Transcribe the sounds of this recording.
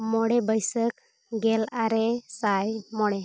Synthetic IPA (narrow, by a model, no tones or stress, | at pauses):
mɔɽebəjsək | ɡɛlaɾesajmɔɽe